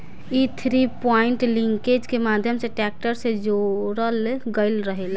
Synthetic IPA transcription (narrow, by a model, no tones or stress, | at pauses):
it̪ʰɾipɔɪɳʈliŋked͡ʒkemad̪ʱjəmseʈɛk̚ʈəɾsed͡ʒoɾəlɡəɪlɾəɦela